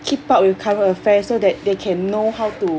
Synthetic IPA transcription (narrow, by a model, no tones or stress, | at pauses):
kʰipaʔ̚wikʰãməfɛ̃sodɛt̚dekʰɛ̃nːohawtu